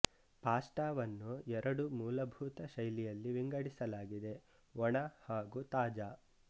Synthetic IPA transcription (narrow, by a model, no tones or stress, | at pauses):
paːsʈaːʋɐnːuɛɾʔɐɽumuːlɐbʱuːt̪ɐʃɐjlijɐlːiʋiŋɡɐɽisɐlaːɡid̪e̞ | ɔɳɐhaːɡut̪aːd͡ʒaː